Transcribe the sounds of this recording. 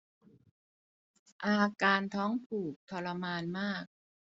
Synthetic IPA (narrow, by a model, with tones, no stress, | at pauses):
ʔaː˧kaː˧nt̪ʰɔː˦˥ŋpʰuː˨˩k̚t̪ʰɔ˧la˧maː˧nmaː˥˩k̚